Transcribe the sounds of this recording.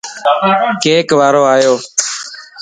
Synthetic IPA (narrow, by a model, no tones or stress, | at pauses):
keːkʋaːɾoːaːjoː